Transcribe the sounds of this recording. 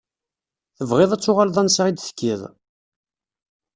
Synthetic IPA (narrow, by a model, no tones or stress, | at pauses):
θəvʁɪðˤæt͡sːʊʁalðˤænsaʁid̪θə̥kːiðˤ